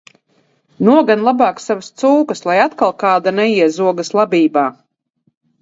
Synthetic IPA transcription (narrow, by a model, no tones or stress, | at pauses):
nuɔɡanlˠabaːksavast̪suːkəslˠajat̪kalˠkaːd̪anɛiɛzuɔɡɐslˠabʲiːbaː